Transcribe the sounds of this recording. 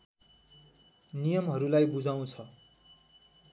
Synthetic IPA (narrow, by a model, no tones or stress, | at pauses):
nijʌmɦʌɾulajbud͡zaw̃t͡sʰʌ